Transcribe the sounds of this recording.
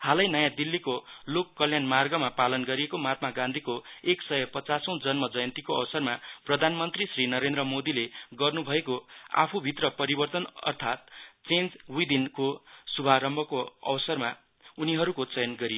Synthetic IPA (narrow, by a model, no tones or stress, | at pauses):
halʌjnʌjãd̪ilːikolokːʌljanmarɡʌmapalʌnɡʌɾiekomat̪̚maɡãnd̪ʱikoeksʌjʌpʌt͡sasʌ̃w̃d͡zʌnmʌd͡zʌjʌnt̪ikoʌwʌsʌrmaprʌd̪ʱanmʌnt̪risrinʌɾend̪rʌmod̪ileɡʌrnubʱʌekoa̰pʰubʱit̪rʌpʌɾibʌrt̪ʌnʌ̰rt̪ʰat̪̚t͡send͡zujd̪inkosubʱaɾʌmbʱʌkoʌ̰wʌsʌrma | uniɦʌɾukot͡sʌjʌnɡʌɾijo